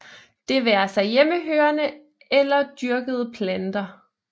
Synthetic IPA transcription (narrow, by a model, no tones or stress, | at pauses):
d̥e̝ʋæːɐsɑ̈ɪjeməɦøːɐnə | elɐd̥yɐɡ̥əð̞ˠpʰlænd̥ɐ